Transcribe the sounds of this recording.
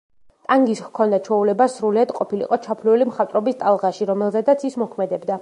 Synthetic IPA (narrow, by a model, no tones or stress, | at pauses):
t̪ʼaŋɡishkʰɔnd̪at͡ʃʰɔulɛbasɾuliad̪qʼɔpilḭqʼɔt͡ʃʰapʰliɛlimχat̪ʼɾɔbist̪ʼalˠʁaʃiɾɔmɛlˠzɛd̪at̪sʰismɔkʰmɛd̪ɛbd̪a